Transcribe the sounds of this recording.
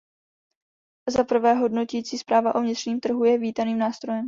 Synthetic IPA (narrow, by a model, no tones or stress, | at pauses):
zapr̩vɛːɦo̞dnocɛiːt͡siːspɾaːvaʔo̞vɲɪt̪r̥ɲiːmt̪r̩ɦujɛviːt̪aniːmnaːst̪ɾo̞jɛm